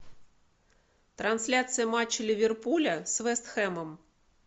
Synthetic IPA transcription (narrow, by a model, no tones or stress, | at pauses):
t̪ɾɐnsʲlʲat̪sɨjɐmat͡ɕːɐlʲiʋʲɪrpulʲɐsʋɛst̪xɛmɐm